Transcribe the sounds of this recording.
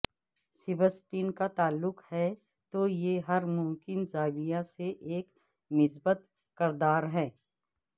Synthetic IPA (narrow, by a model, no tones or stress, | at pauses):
sɪbəsʈiːnkat̪aːlːʊqhɛ | t̪ojeɦɐɾmʊ̃mkɪnzaːɡijaseʔeːk | mɪsbət̪ | kɐɾd̪aːɾɦɛː